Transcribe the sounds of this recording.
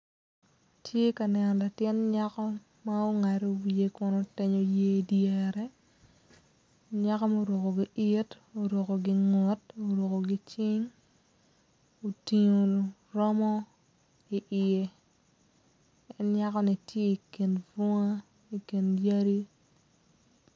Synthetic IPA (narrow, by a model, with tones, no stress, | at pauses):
tʰje˦ka˨nɛ˨nɔ˨la˨tjɪ˦nɲa˦kɔ˦ | ma˦o˦ŋa˨ɾo˦wi˨e˨˦kʊ˦no˦tɛ˦ɲo˦je˦djɛ˨ɾɛ˦ | ɲa˦kɔ˦ma˦o˦ɾo˨ko˨ɡi˦ʔɪ˦t | o˨ɾo˨ko˨ɡɪ˦ŋɔ˦to˨ɾo˨ko˨ɡi˦t͡ʃɪ˦ŋ | o˨ti˨ɲo˨ | ɾɔ˦mɔ˦ | i˨ʔɪ˨e˦ | ɛ˦nɲa˦kɔ˦ni˨tje˦i˨ki˨nvo˦ŋa˦ | i˨ki˨nja˦ɾi˦